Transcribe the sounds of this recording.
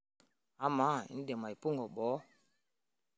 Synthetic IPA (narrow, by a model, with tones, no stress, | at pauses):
a˦ma˨˦ḭ˨˦n̩˦dɛ˨ma˨i˨po˦ŋɡɔ˨ɓɔ˨˦